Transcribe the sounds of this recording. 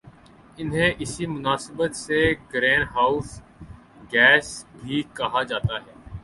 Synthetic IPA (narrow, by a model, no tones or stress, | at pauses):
ɪnɦẽʔɪsimʊnaːsəbət̪seɡɾɛ̃ːnɖɦaːʊs | ɡɛːsbʱiːkɐɦad͡ʒaːt̪aɦɛː